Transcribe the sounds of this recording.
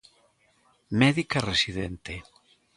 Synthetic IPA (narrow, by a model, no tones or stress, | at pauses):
mɛðikaresiðent̪e